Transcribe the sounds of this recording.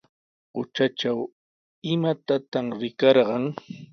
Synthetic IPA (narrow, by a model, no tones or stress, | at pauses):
ɢʊt͡ʃaʈ͡ʂaw | ɪmat̪at̪amɾɪkɑɾɢɑŋ